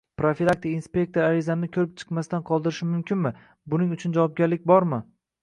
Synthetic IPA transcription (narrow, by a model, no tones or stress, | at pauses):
pɾofilˠak̚t̪ʰɪkinspʲe̞k̚ʲt̪o̞ɾaɾɪzanɪkʲʰɵɾɪp̚t͡ʃʰɨ̥qmast̪anqʰɒlˠd̪ɪɾɪʃɪmʊmkʲɪnmɪ | bʊnɪŋʊt͡ʃʰʊnd͡ʒavɒp̚ɡʲaɾlɪkʲbɒɾmɪ